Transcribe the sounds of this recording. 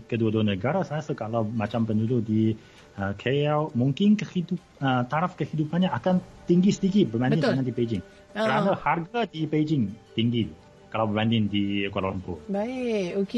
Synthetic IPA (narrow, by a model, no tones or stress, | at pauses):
kəduəduənəɡaɾasajasəkalawmat͡ʃampənudʊʔdi | əkʰejawmuŋkɪnkəhidup̚ət̪aɾafkəhidupanɲaakant̪iŋɡisə̥t̪ikibəbandɪ̃naŋandiped͡ʒɪŋ | kəɾanaharɡadiped͡ʒɪŋt̪iŋɡi | kalawbəbandɪndikwalɔmpʊ̰baɪoke